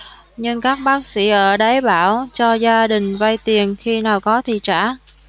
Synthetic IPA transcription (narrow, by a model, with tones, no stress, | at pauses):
ɲɨ˧ŋkaː˦˥k̚ɓaː˦˥k̚sḭ˧˩ʔəː˧˩ɗa˨˦jɓaː˧˩wt͡ɕɔ˧zaː˧ɗï˨˩ŋ̟va˧jt̪i˨˩ənxi˧naː˨˩wkɔ˨˦t̪ʰḭ˧˨t͡ɕa̰ː˧˩